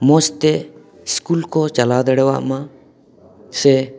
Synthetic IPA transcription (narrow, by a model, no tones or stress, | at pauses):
most̪e | skulkɔt͡ʃɐlad̪əɽɛwa̰ʔmã | sɛ